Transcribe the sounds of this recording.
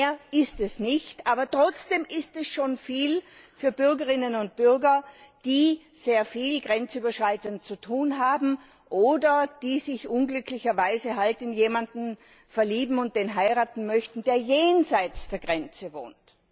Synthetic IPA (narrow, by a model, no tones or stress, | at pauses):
ɐɪstɛsnɪçtʔaːbɐtʁ̥ɔt͡sd̥eːmʔɪstɛsʃoːnfiːlfyːɐbʏɐɡəʁɪnənʊnt̚b̥ʏɐɡɐd̥iːz̥eːɐfiːlɡʁɛnt͡syːbɐʃʁ̥aɪtənt̚t͡sutʰuːnɦaːbm̩ | ʔoːdɐd̥iːzɪçʔʊnɡlʏkʰlɪçɐvaɪzəɦaltɪnjeːmandn̩ | fɛɐliːbm̩ʊnt̚d̥eːnɦaɪʁaːtn̩mœçtn̩d̥eːɐjeːnzaɪt͡sd̥eːɐɡʁɛnt͡səvo̰ːnt